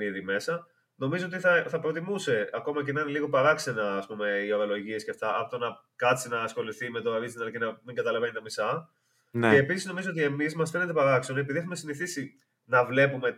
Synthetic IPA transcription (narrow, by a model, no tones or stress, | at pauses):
iðime̞sɐ | no̞mizo̞ot̪̬iθɐθɐpɾo̞t̪imuse̞ɐko̞mɐcenɐineliɣo̞pɐɾɐkse̞nɐːspume̞io̞ɾolo̞ʝiesceft̪ɐʔɐpot̪onɐ | kɐt͡sinɐːsxo̞liθime̞t̪oɾizinɐlcenɐmiŋɡɐt̪ɐlɐve̞nit̪ɐmisɐ | neːpisizno̞mizoot̪ie̞mizmɐsfene̞t̪epɐɾɐksenepiðie̞xume̞siniθisi | nɐvle̞pume̞